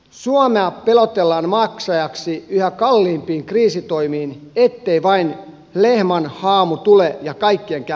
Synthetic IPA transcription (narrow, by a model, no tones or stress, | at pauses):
suomeɑpelot̪elːɑːnmɑksɑjɑksiyhækɑlːiːmpiːŋkriːsit̪oimiːnet̪ːeiʋɑin | lehmɑnhɑːmut̪ulejɑkɑikːieŋkæ